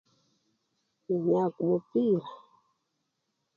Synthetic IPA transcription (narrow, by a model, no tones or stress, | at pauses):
niɲakumupiɾa